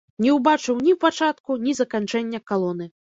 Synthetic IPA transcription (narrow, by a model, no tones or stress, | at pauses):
nʲɛwbat͡ʂɨwnʲiwpat͡ʂat̪kunʲizɐkanʲt͡ʂɛnʲːɐkalˠɔnɨ